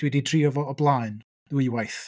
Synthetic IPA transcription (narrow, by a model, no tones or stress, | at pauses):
dwɛdidriɔvɔɔblˠaːɨn | ðwɨwajθ